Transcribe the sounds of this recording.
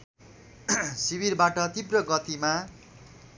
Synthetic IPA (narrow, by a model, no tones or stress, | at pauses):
sibirbaʈʌt̪ibrʌɡʌt̪ima